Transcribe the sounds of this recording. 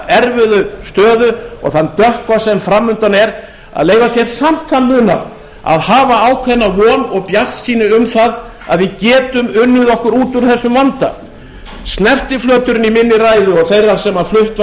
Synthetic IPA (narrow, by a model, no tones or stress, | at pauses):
ɛɾvʏðʏst̪œːðʏɔ̰ɣθanːt̪œhkvasɛmfɾamːʏnt̪anɛɾ | a̰ðleːjvasjɛɾ̥sam̥t̪θanːʏːna̰ɾ | a̰ðhaːvaaːwkʰvɛnːavɔːnɔɣpjar̥t̪siːnɪʏmθað | a̰ðvɪðcɛːt̪ʏmʏnːʏðɔhkʏɾuːt̪uɾ̥θɛsːʏmvant̪a̰ | snɛr̥t̪ɪflœːt̪ʏɾʏnimɪnːɪɾaːjðʏɔɣθejrːaɾ̥sɛmːaflʏht̪v